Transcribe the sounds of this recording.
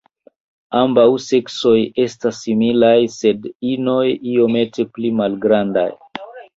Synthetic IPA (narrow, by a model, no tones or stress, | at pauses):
ambawse̞kso̞je̞stasːimilajse̞dino̞jio̞me̞te̞plimalɡɾanda̰j